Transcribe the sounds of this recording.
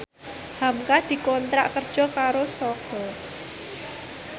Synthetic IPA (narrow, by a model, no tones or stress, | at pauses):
hamkahd̪̥i̤kɔnt̪ɾaʔkərd̥ʒ̥ɔ̤kaɾosɔɡ̥ɔ̤